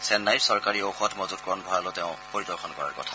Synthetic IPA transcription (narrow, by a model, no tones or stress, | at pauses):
sɛnːajɹsɔɹkaɹiowxɔtʰmɔzut̚kɔɔnbʱɔɹalʊtɛʊ̃poɹidɔɹxʰɔnkɔɹa̰ɹkɔ̰tʰa